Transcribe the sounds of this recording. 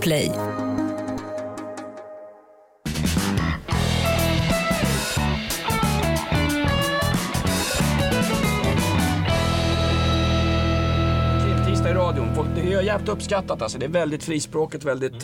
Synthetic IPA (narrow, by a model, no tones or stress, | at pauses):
pʰlɛj | kʰlɪpt̪ʰiːst̪aɪɾɑːd̪ɪʊnfɔd̪ɛhaɾjæɾpt̪ɵpːskat̪ːat̪alsɔd̪ɛæːɾvɛld̪ɪt̪fɾiːspɾoːkət̪vɛld̪ɪt̪